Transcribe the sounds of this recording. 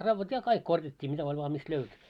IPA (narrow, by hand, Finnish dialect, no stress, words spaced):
rɑʋːɑt jɑ kɑik korjɑtʲːiː mitæ olʲ ʋɑː mist løyty